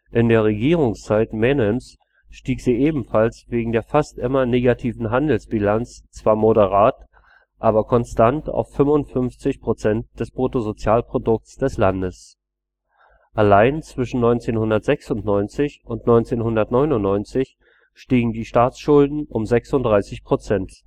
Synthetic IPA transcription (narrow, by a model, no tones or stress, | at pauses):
ʔɪndeːɐʁ̞eɡiːʁʊŋst͡saɪtmɛnɛms | ʃtiːkz̥iːʔeːbm̩falsv̥eːɡŋ̩deːɐfastʔɪmɐneːɡatʰiːvn̩ɦandl̩sb̥ilant͡st͡sv̥aːɐmodəʁ̞aːt | ʔaːbɐkʰɔnstanta̰ʊfʏmʊntfʏnft͡sɪçpʁ̥ot͡sɛnt̚d̥ɛspʁ̥otozot͡sjaːlpʁ̥odʊk̚t͡sd̥ɛslandəs | ʔalaɪnt͡sv̥ɪʃn̩nɔʏnt͡seːnhʊndɐtz̥ɛksʊntnɔʏnt͡sɪçʔʊntnɔʏnt͡seːnhʊndɐtnɔʏnʊnːɔʏnt͡sɪç | ʃtiːɡŋ̩diːʃtaːt͡sʃʊldn̩ʔʊmzɛksʊntd̥ʁaɪsɪçpʁ̥ot͡sɛnt